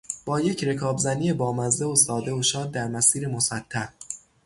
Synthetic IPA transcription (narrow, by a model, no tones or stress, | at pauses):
b̥ɒːje̞cʰɾe̞kʰɒːbzænijebɒːmæzd̪eosɒːd̪e̞oʃɒːd̪̚ːæɾmæsiːɾemo̞sæt̪ʰːæɾ